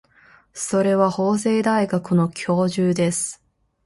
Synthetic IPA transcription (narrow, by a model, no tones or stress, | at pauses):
so̞ɾe̞βaho̞ːs̬e̞ːd̪aiɡakɯno̞kʲʰo̞ːʑɨːd̪e̞sɨ̥